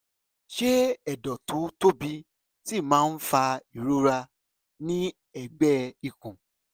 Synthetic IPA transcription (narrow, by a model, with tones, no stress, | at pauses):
ʃe˦ɛ˨dɔ˨tu˨˦to˦bi˦ | ti˦˨mãː˦n̩˦fa˧i˨ɾo˦ɾa˧ | nĩ˦ | ɛ˦˨ɡ͡bɛ˦i˨kũ˨